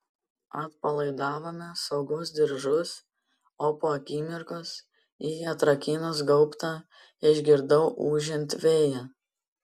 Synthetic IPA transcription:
ɐt̪̚pɐlˠɐɪd̪ɑːʋoːmʲɛsɐʊɡɐʊs̬d̪ʲɪɾʒʊs | oːpoːɐkʲiːmʲɪɾkʊs | iːɐt̪ɾɐkʲiːnʊsɡɐʊpt̪ɑ | ɪʒʲɡʲɪɾd̪ɐʊʔuːʒʲɪnʲt̪ʋʲeːjɛ

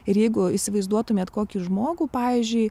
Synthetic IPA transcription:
ɪɾjɛɪɡʊisʲɪʋɐɪzd̪uɔt̪ʊmʲeːt̪koːkʲiːʒmoːɡuːpɑːʋʲiːzʲd͡ʒʲʊɪ

